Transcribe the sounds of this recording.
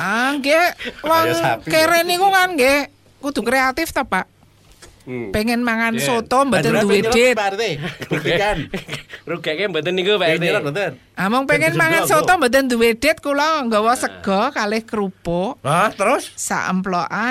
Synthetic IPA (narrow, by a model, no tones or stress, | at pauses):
aŋɡewɔŋkeɾenikuŋanŋɡe | kud̪̥ṳkɾeat̪ɪft̪ɔpaʔ | peŋɪnmaŋansot̪ombət̪ənd̪uwed̥et̪t̪eukanɾuɡ̥ɛʔkembət̪ənikupat̪bət̪ə | ʔamʊŋpeŋɪnmaŋansot̪ombət̪ənd̪uwed̪̥ɪ̤t̪̚kulɔŋɡɔwɔsəɡ̥ɔ̤kalɪhkəɾupoat̪əɾʊssa̰ʔə̰mplɔʔa